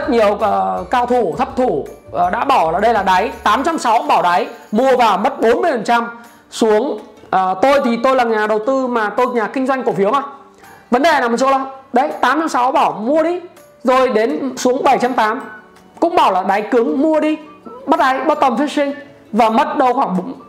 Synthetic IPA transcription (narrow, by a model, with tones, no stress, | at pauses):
zə˦˥t̚ɲi˨˩əwəː˨˩kaː˧wt̪ʰu˧˩t̪ʰə˦˥p̚t̪ʰu˧˩ʔɗa̰ː˧˥ɓa˧˩wlaː˨˩ɗə˧jlaː˨˩ɗa˨˦jt̪aː˨˦mt͡ɕa˧msa˨˦wɓaː˧˩wɗa˨˦jmu˧əvaː˨˩wmə˦˥t̚ɓo˨˦nmɨ˧əjfə˨˩nt͡ɕa˧m | su˨˦əŋʔəː˨˩t̪o˧jt̪ʰi˨˩t̪o˧jlaː˨˩ɲaː˨˩ɗə˨˩wt̪ɨ˧maː˨˩t̪o˧jɲaː˨˩kï˧ŋ̟zwa˧ŋ̟ku˧˩fi˨˦əwma˧˩ | və˨˦nɗe˨˩naː˨˩mə˨˩so̰˧˥lə˨˦ɗə˧jt̪aː˨˦mt͡ɕa˧msa˨˦wɓaː˧˩wmu˧əɗi˧ | zo˨˩jɗe˨˦nsu˨˦əŋɓə˧˩jt͡ɕa˧mt̪aː˨˦m | kʊ̰˧˥ŋ͡mɓaː˧˩wlaː˨˩ɗa˨˦jkɨ˨˦əŋmu˧əɗi˧ɓa˦˥t̚ɗa˨˦jɓə˦˥t̚t̪ə˨˩mfɛ˦˥t̚sï˧ŋ̟ | vaː˨˩mə˦˥t̚ɗə˧˩wxwaː˧˩ŋ˨˦